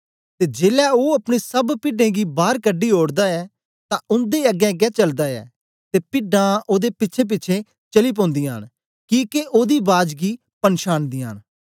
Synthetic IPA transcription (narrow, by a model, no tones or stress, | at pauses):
t̪eːd͡ʒeːlɛːoːəpɽ̃eːsəbpɪɖẽːɡiːbaːɾkəɖːiːoːɽd̪aːɛː | t̪ãʊnd̪eːəɡɛ̃ːɡɛːt͡ʃəld̪aːɛ̰ː | t̪eːpɪɖãʔoːd̪eːpɪtːʃʰẽːp̬ɪːt͡ʃʰẽː | t͡ʃəliːp̬õːnd̪iːɦa̰ːn | kiːkeʔoːd̪iːbaːd͡ʒɡiː | pənʃaːnd̪iːɦa̰ːn